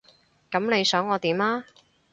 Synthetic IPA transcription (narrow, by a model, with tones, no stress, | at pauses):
kɐ˨˥mne˨˧jsœː˨˥ŋɔː˨˧t̪iː˨˥mlaː˥